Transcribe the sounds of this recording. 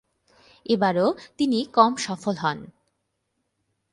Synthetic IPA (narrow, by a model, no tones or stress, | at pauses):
ebaɾot̪inikɔmʃɔfolɦɔn